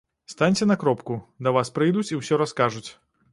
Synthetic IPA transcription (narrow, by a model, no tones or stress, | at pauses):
st̪anʲt͡sʲɛnɐkɾɔpkud̪ɐvaspɾɨjd̪ut͡sʲiwsʲɔɾɐskaʐut͡sʲ